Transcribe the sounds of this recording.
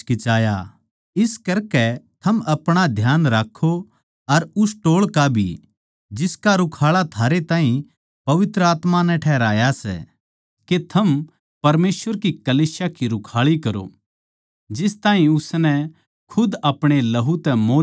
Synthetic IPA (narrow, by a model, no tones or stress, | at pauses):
kɪt͡ʃaːja | ɪskɐɾkɛt̪ʰɐmɐpɽ̃ad̪ʱjaːnɾaːkʰːo | ɐɾʊsʈoːɭkabʱḭ | d͡ʒɪskaɾʊkʰaːɭat̪ʰaːɾet̪ãːĩ | pɐʋɪt̪ɾəaːt̪manɛ̃ʈʰɛːɦɾaːjasɛ̰ | ket̪ʰɐm | pɐɾmeːsʋəɾkikɐliːsjakiɾʊkʰaːɭikɐɾo̰ | d͡ʒɪst̪ãːɦĩʊsnɛ | kʰʊd̪ɐpɽ̃elɐɦut̪ɛmoː